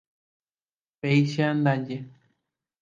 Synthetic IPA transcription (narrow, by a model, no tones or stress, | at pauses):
pejʃand̪ãɲd͡ʒe